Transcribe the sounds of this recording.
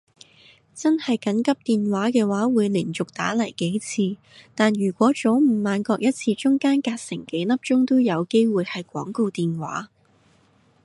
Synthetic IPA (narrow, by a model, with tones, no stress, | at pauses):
t͡sɐ˥nhɐ˨jkɐ˨˥nkɐ˥p̚t̪iː˨nwaː˨˥kɛː˧waː˨˥wuː˨˧jliː˨˩nt͡sʊ˨k̚t̪aː˨˥lɐ˨˩jke˨˥jt͡sʰiː˧ | t̪aː˨njyː˨˩kʷɔː˨˥t͡so˨˥wm̩˨˩maː˨˧nkɔː˧k̚jɐ˥t̚t͡sʰiː˧t͡ʃʊ˥ŋkaː˥nkaː˧t̚sɪ˨˩ŋke˨˥jlɐ˥p̚t͡ʃʊ˥ŋt̪o˥wjɐ˨˧wke˥jwuː˨jhɐ˨jkʷɔː˨˥ŋko˧wt̪iː˨nwa̰ː˨˥